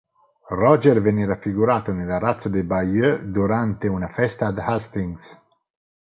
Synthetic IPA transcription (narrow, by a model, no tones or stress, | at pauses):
rɔd͡ʒɛɾvenɛːɾafiɡuɾaːt̪onelaɾat̪sad̪ebajød̪uɾant̪eunafɛst̪aːd̪hast̪iŋs